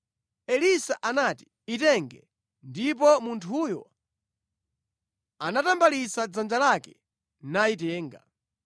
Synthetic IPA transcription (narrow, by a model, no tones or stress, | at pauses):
ɛlisaʔanati̥ | itɛŋɡɛ | ndip̬ɔmuntʰujɔ | anatambalisad͡zand͡ʒalakɛ̥ | naitɛːŋɡa̰